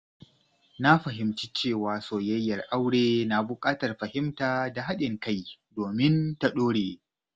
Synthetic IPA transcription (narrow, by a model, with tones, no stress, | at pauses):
na˦ɸɐ˨ɦɪ˨mt͡ʃi˦t͡ʃeː˦˨waː˨soː˨jɐ˦jːɐ˨rʔa˦wɽeː˦na˨bʊ˨kʼaː˦tɐ˨rɸɐ˨hɪ˦mtaː˨da˨ɦa˦ɗɪ˨ŋka˦˨jdoː˨mɪ˦nta˨ɗoː˦ɽeː˨